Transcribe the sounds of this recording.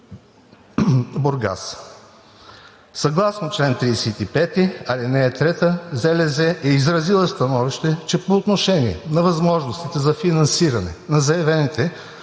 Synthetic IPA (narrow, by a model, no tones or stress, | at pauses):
boɾɡa̰s | sɐɡlˠasnot͡ʃlɛnt̪ɾisɛt̪ipɛt̪iɐlinɛːt̪ɾɛt̪əzɛlɛzɛʔɛizɾɐzilˠəst̪ɐnɔviʃt̪ɛt͡ʃɛpoːt̪noʃɛniɛ̰nɐvɐzmɔʒnost̪it̪ɛzɐfinɐnsiɾɐnɛ̰nɐzɐɛvɛnit̪ɛ